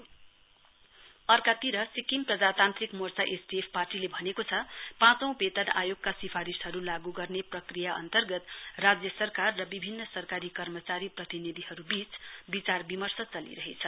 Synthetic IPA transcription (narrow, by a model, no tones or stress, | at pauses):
ʌrkat̪iɾʌsikimprʌd͡zat̪ãnt̪rikmort͡saʔesbiepʰparʈilebʱʌnekot͡sʰʌpãt͡sʌ̃w̃pet̪ʌnajoɡkasipʰaɾisɦʌɾulaɡuɡʌrneprʌkrijaʔʌ̰nt̪ʌrɡʌt̪rad͡zjʌsʌrkarːʌbibʱinːʌsʌrkaɾikʌrmʌt͡saɾiprʌt̪inid̪ʱihʌɾubit͡sbit͡sarbimʌrsʌt͡sʌlḭɾʌɦet͡sʰʌ